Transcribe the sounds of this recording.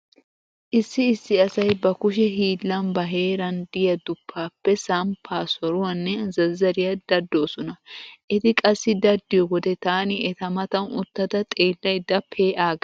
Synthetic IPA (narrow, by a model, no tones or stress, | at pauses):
ʔɪsːɪːsːɪɐsɐjbɐkʊʃɛɦiːlːɐnbɐɦe̞ːɾɐnd̪ɪjɐd̪ʊpʰːaːpːɛsɐmpʰaːsɔɾʊwɐnːɛzɐzːɐɾɪjɐd̪̥ɐd̪ːo̞ːsɔnɐʔɛt̪ɪkʼɐsːɪd̪ɐd̪ːɪjɔɡɔd̪ɛt̪aːnɪɛt̪ɐmɐt̪ɐnʊ̰t̪ːɐt̪ɐt̪ʼeːlːɐjd̪ɐpʰːeːʔaːɡ